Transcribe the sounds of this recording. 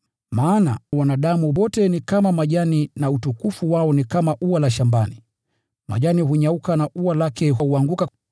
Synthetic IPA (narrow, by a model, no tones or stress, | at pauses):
maːna̰wanaɗamuwɔtɛnikamamaʄaninautukufuwaɔnikamaʔuwalaʃambani | ma̰ʄaniɦuɲaukanaʔuwalakɛɦuaŋɡuka